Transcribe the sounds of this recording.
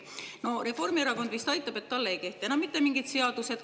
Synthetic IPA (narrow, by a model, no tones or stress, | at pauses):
no̞re̞fo̞rmieɾɑkond̪vist̪ɑjt̪ːˑɑb̥e̞t̪ːɑlːeejke̞ht̪ːˑeenɑmit̪ːemiŋɡ̥id̪̥se̞ɑd̪̥use̞d̪